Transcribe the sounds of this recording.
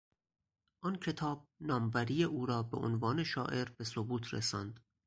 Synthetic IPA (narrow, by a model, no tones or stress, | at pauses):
ʔɒːncʰe̞t̪ʰɒːb̥̚nɒːmvæɾijeʔuːɾɒːbe̞̰ʔo̰nvɒːne̞ʃɒːʔe̞ɾbe̞sobuːt̪ʰɾḛsɒːnd̪̥